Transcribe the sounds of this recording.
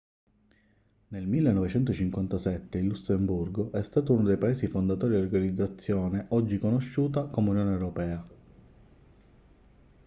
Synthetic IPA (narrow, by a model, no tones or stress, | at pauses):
nelmilːenːɔvet͡ʃɛnt̪ot͡ʃiŋkwant̪asɛt̪ːeilːusemburɡoʔɛst̪aːt̪ounod̪ejpaeːsifond̪at̪ɔːɾid̪orɡanid̪zːat̪sːjoːneʔɔd͡ʒːikonoʃːuːt̪̬akomeunjoːnewɾopɛːa